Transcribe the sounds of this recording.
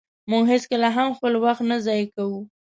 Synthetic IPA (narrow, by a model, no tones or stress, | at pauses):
mʊɡɦɪskəlaɦamxpəlwaxt̪nazɑjkawu